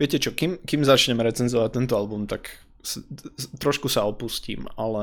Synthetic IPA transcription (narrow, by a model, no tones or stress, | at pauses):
ʋɪɛcɛt͡ʃɔkimkimzat͡ʃɲɛmɾɛt͡sɛnzɔʋac̚t̪ɛnt̪ɔalbumt̪ak | st̪ɾɔʃkusaɔpuscḭːmalɛ